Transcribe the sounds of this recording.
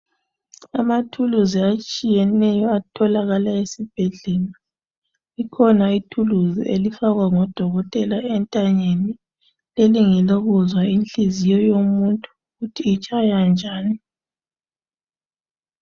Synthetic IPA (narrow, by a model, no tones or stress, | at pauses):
a̰matʰuluziat͡ʃʼijɛnɛjɔatʰɔlaɣalaesib̥ʱɛɮɛla | ikʰɔnaitʰuluziʔelifaɣwaŋɔd̥ʱɔɣɔtʼɛlaɛntʼaɲeni | leliŋiloɣuzwainɬizijɔjomuntʼu | ɣutʰiːt͡ʃʼajand͡ʒʱaːni